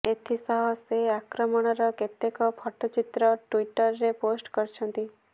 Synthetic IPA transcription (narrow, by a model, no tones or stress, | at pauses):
et̪ʰisɔɦɔseakɾɔmɔɽ̃ɔɾɔket̪ekɔpʰɔʈɔt͡ʃit̪ɾɔʈwiʈɔɾːeposʈkɔɾt͡ʃʰɔnt̪i